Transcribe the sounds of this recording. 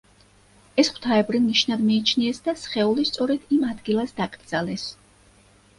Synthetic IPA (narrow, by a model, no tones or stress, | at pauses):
ɛsχwt̪ʰaɛbɾiniʃnad̪miːt͡ʃʰniɛsd̪asχɛulist̪sʼɔɾɛd̪̥imad̪ɡilˠasd̪akʼɾd̪zalɛs